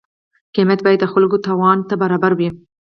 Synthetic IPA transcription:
kemjat̪̚bɑjat̪̚d̪əxʊlɡot̪ɑwɑnt̪abaɾɑbaɾwi

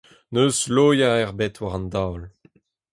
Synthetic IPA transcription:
nøːzloːjaɛʁbɛt̪waʁɑ̃nd̪awl

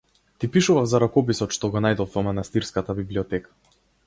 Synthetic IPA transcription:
t̪ipiʃuvafzaɾakɔp̬isɔt̪ʃt̪ɔɡɔnajd̪ɔfvɔmanast̪iɾskat̪abibliɔt̪ɛkḁ

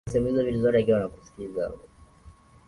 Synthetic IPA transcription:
sɛmuizɔvilizɔtɛikiwanaku̥si̥kizaa̰ɔ

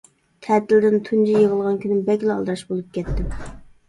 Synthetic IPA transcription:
t̪ʰɛt̪ʰɪld̪ɪnt̪ʰund͡ʒijeʁəlˠʁɑnkʲʰynɪmbɛkʲlɑlˠd̪ɾɑʃbolˠup̚kʲʰɛt̪ːɪm

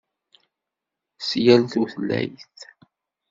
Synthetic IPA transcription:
sjælθuθəlːæ̰jθ

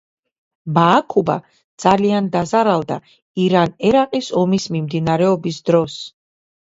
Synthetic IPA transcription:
baːkʰuba̰ | d̪z̥aliand̪azaɾalˠd̪a̰ | iɾanɛɾaqʼisɔmismimd̪inaɾɛɔbisd̪ɾɔs

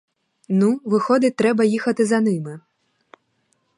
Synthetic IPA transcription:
nuvɨxɔd̪ɨt̪ːɾɛbɐjixɐt̪ɨzanɨmɨ

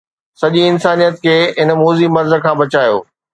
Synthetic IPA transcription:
sɐʄiɪnsaːnijət̪kʰeːɪnmoːzimɐɾzə̆kʰãːbɐt͡ɕaːjo̰ː

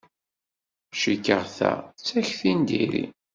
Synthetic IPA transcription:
ʃikːəʁθæ̰t͡sːæçθind̪iɾḭ

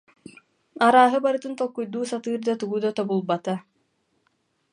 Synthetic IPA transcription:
aɾaːɦɯbaɾɯt̪ɯnt̪ɔlˠkːujd̪uːsat̪ɯːɾd̪at̪uɡuːd̪ɔt̪ɔbulˠbat̪a

